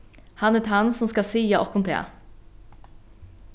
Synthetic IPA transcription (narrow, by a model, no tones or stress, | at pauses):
hɑnət̪ʰhansɔmskɑsiːjɑʔɔkɔnt̪ʰḛː